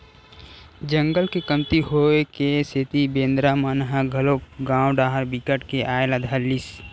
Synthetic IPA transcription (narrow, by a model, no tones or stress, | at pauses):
d͡ʒə̃ŋɡəlkekɐmt̪iɦoekeset̪ibẽːnd̪ɾamənɦaɡʱɐloːkɡãːwɖaːɦəɾbikəʈkeʔaːelad̪ʱəlːis